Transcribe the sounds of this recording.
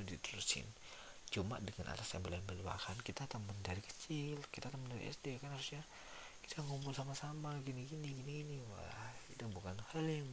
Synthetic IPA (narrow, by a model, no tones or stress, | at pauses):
dit̪uɾusɪ̰n | t͡ʃuma̰ʔdəŋanʔa̰tasjambəlambəlua̰hankit̪at̪aməndaɾikə̥t͡ʃilkit̪at̪əməndaɾḭʔɛ̰sdekanhasusɲa | ki̥t̪ʰaŋumbʊlsamasamaɡiniɡiniɡiniɡiniwa̰kit̪abukanhəliŋ